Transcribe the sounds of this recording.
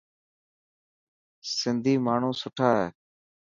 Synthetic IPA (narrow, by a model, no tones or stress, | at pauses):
sɪnd̪ʱiːmaːɳ̤ũːsʊʈʰaːɦeː